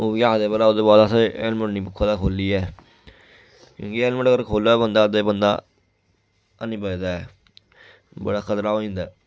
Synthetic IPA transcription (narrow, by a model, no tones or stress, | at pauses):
oːkaːd̪eːbəlaːoːd̪eːbaːd̪aːsaelməʈnĩːpʊkʰːaːd̪aːkʰoːliːɛː | kjõ̰ːkɪeːlməɳəɡəɾkʰoːlːaːbənd̪aːd̪eːbənd̪a̰ː | nĩːpəd̪aːɛː | bə̰ɽaːkʰət̪ɾaːoːĩːnd̪aː